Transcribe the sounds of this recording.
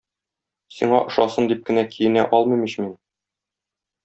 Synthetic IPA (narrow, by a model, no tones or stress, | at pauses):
sḭɴɑʔŏʃɑsɤnd̪ip̚kɘ̆nækʰijɘ̆næʔɒlˠmɤ̆jmiɕmin